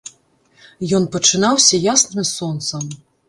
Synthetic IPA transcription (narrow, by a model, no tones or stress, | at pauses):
jɔnpɐt͡ʂɨnawsʲɐjasnɨmsɔnt̪sɐm